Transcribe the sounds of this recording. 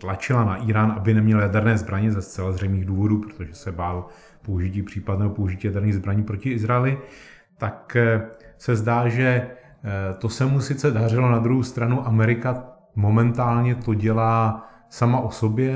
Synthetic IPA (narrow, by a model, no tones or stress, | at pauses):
t̪lat͡ʃɪlanaʔiːɾaːnʔabɪnɛmɲɛljadɛɾnɛːzbɾaɲɛzɛst͡sɛlazr̝ɛjmniːɣduːvo̞duːpɾot̪oʒɛsɛbaːl | po̞uʒɪciːpr̝̥iːpadnɛːɦopouʒɪciːjadɛɾniːɣzbɾaɲiːpɾocɪɪzɾaɛlɪ | t̪ak | sɛzdaːʒɛ | t̪o̞sɛmusɪt͡sɛdar̝ɪlonad̪ɾuɦowst̪ɾanuʔamɛɾɪka | mo̞mɛnt̪aːlɲɛt̪o̞ɟɛlaː | samaʔoso̞bjɛ